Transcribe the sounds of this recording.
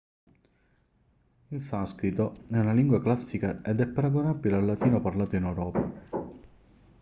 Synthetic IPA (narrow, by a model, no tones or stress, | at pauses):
ilsaskɾit̪oɛunaliŋɡwaklasːikaed̪ɛpːaɾaɡonabːilealːat̪iːnoparlaːt̪oinɛwɾɔːpa